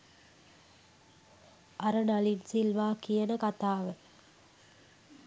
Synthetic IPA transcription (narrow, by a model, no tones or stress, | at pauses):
ɐɾənalinsilʋaːkijənəkat̪aːʋə